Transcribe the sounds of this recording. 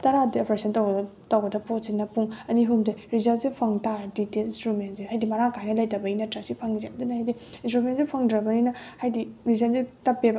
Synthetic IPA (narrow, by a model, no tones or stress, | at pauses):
tɐɾadiopɾesɐntɐwbtɐwbɐdɐpotsinːɐpuŋɐniɦumdeɾizɐlsepʰɐŋtaɾɐditelinstɾumentsehajdimɐɾaŋkajnɐlɐjtɐbɐinɐtɾɐsipʰaŋizakdunaɦajdiinstɾumentsepʰɐŋdɾɐbɐninɐhajdiɾizɐnsitɐpːebɐ